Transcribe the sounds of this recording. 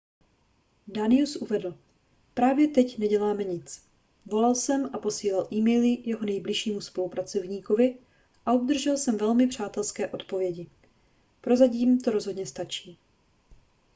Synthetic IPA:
danɪusʔuvɛdl̩ | pɾaːvjɛt̪ɛcnɛɟɛlaːmɛɲɪt͡s | vo̞lalsɛmapo̞siːlalʔiːmɛjlɪjɛɦo̞nɛjblɪʃiːmuspo̞lupɾat͡so̞vɲiːko̞vɪ | ʔaubd̪r̩ʒɛlsɛmvɛlmɪpr̝̥aːt̪ɛlskɛːʔo̞t̪po̞vjɛɟɪ | pɾo̞zac̬iːmt̪o̞ɾo̞zɦo̞dɲɛst̪at͡ʃiː

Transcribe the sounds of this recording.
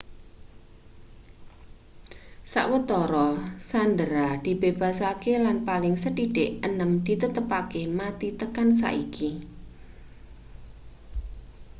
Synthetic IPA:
sa̰ʔwət̪ɔɾɔsand̪əɾad̪̥i̤b̥eb̥a̤sakelanpalɪŋsəɖiɖ̥eʔənəmd̪̥i̤t̪ət̪əpakemat̪it̪əkansa̰ʔiki

